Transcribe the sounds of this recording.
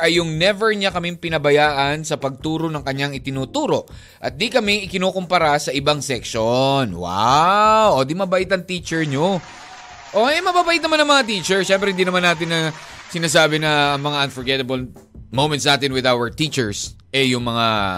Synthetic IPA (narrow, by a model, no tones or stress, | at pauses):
ɐjːʊŋnɛvɛɹɲakɐmɪŋpɪnɐbɐjaːʔɐnsɐpɐɡ̚t̪uːɾo̞nɐŋkɐɲaŋɪt̪ɪnuːt̪uːɾo̞ʔ | ʔɐt̪̚d̪ikɐmɛʔɪkɪnoːkompɐɾasɐʔɪbaŋsɛkʃonwa̰wod̪imɐbɐʔɪt̪ɐŋt̪iːt͡ʃɛɹɲo | ʔoʔɛmɐbaːbɐʔɪt̪̚nɐmanɐŋmɐŋat̪iːt͡ʃɛɹʃɛmpɾɛhɪnd̪iːnɐmanːaːt̪̬ɪnɐ | sɪnaːs̬aːbɪnɐɐŋmɐŋaʔɐnfɔɹɡɛt̪ɐbɐl | mowmɛ̃ntsnaːt̪ɪnwɪd̪awɐɹt̪it͡ʃɛɹsʔɛjʊŋmɐŋa